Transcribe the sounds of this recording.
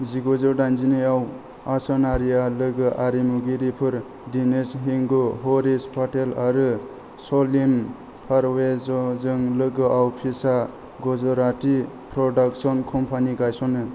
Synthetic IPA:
ziɡozɯwdajnzineaw | asɔnaɾijalɯɡɯʔaɾimuɡiɾipʰɯɾ | dinesɦiŋɡuɦɔɾispʰatelaɾɯ | sɔlim | pʰaɾwezɔzɯŋlɯɡɯʔawpʰisa | ɡɔzɔɾati | pɾɔdaksɔnkʰɔmpʰaniɡajsɔnɯ

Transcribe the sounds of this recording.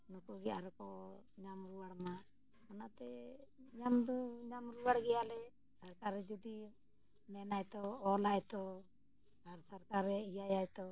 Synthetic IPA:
nɔkɔɡɛaɾɔkɔɲamɾuwaɽma | ɔnat̪ɛɲamd̪ɔɲamɾuwaɽɡɛjalɛ | saɾkaɾːɛd͡ʒɔd̪i | mɛnajt̪ɔɔlajt̪ɔ | aɾsaɾkaɾɛijajajt̪ɔ

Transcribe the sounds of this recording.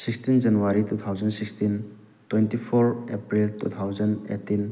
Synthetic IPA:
sikstind͡ʒɐnuwaɾitut̪ʰawd͡ʒənsikstin | twentipʰoɾepɾiltṵt̪ʰawzɐnḛtːin

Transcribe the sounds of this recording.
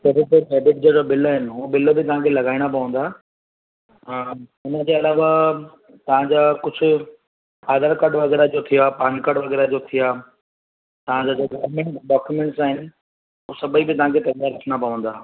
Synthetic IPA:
sɐɾeʈ̪eɖeːbɪʈ̚d͡ʑoːd͡ʑobɪlɦɪnɪ̆ɦuːbɪlobɪt̪ɐɦãkʰelɐɡaːiɽ̃apɐʋə̃n̆d̪aː | ʊnəd͡ʑeːɐlaːʋa | t̪ɐʋ̤ãɲd͡ʑaːkʊd͡ʑʱʊ̆ | aːd̪əɾkɐɖʋɐɣɛːɾad͡ʑot̪ʰijaːpãːɲkɐɖʋɐɣɛːɾad͡ʑot̪ʰijaː | t̪ɐʋ̤ãd͡ʑad͡ʑoɡɐʋmẽɳʈɖaːkjumẽːɳʈsaːɦɪnɪ̆ | usɐbʱəibɪt̪ɐɦãkʰet̪ɐkjaːɾɐtʰɽ̃apɐʋə̃n̆d̪aː

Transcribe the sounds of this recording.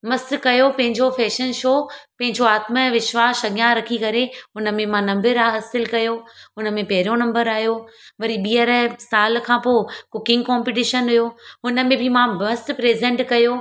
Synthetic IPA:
mɐst̪kɐjopɐ̃ɦɪ̃ɲd͡ʑofɛːʃənʃoːpɐ̃ɦɪ̃ɲd͡ʑoaːt̪məʋɪʃʋaːʃɐɡjãɾɐkʰikɐɾeɦʊnə̆mẽmãnɐ̃mbɪɾaːɦɐsɪlkɐjoɦʊnə̆mẽpɐɦɪɾijonɐ̃mbəɾaːɦijoʋɐɾiɓiːəɾsaːl̆kʰãːpoːkʊkɪ̃ŋɡkɔ̃ːmpɪʈ̬ɪːʃənɦʊjoɦʊnə̆mẽbʱɪmãmɐst̪pɾeːzɛ̃ɳʈkɐjo

